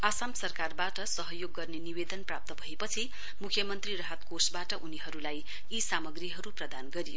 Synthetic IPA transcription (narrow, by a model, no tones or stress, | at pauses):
asamsʌrkarbaʈʌsʌɦʌjoɡːʌrnenibed̪ʌnprap̚t̪ʌbʱʌepʌt͡sʰi | mukʰjʌmʌnt̪rirʌɦat̪kosbaʈʌʔuniɦʌɾulaj | isamʌɡriɦʌɾuprʌd̪anɡʌɾijo